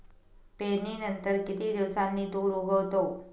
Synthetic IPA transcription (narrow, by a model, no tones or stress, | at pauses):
peninənt̪əɾkɪt̪id̪ɪʋsannit̪uɾuɡəʋt̪o